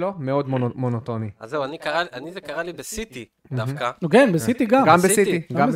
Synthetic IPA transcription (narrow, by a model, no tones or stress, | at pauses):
lomeod̪momonot̪oniazeuanikaʁaliʔanizekaʁalibesit̪i | md̪af̩kankenbesit̪iɡamɡambesit̪iɡaam